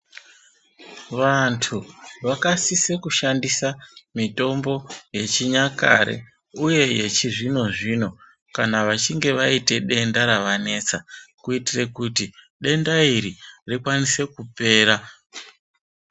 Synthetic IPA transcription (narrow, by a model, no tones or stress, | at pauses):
ʋantʰuʋakasisekuʃandisamito̞mbo̞je̞t͡ʃiɲaka̰ɾḛ | uje̞jet͡ʃiʐino̞ʐino̞ | kanaʋat͡ʃiŋɡe̞ʋaite̞ɗe̞ndaɾaʋane̞t͡sakuitire̞kuti | ɗe̞ndaiɾirikwanise̞kupe̞ːɾa